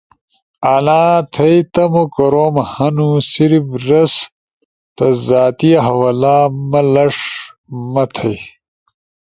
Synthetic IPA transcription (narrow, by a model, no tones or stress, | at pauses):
anaːt̪ʰɐjt̪ɐmokɐɾoːmhɐnusiɾibɾɐs | t̪ɐzaːt̪ijɐɦɐwalaːmɐlɐʂmɐt̪ʰɐj